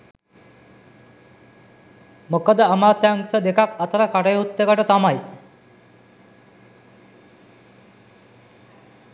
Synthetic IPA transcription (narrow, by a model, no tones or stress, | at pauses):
mokəd̪əamaːt̪jaŋsəd̪ekakat̪əɾakaʈəjut̪ːekəʈət̪amaj